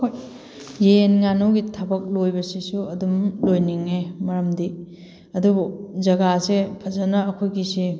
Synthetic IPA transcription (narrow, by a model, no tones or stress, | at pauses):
kʰoj | jeenŋanowɡitʰɐbɐk̚lojbɐsisuɐdumlojniŋemɐɾɐmdi | ɐdubud͡ʒɐɡasepʰɐzɐnɐːkʰojɡisi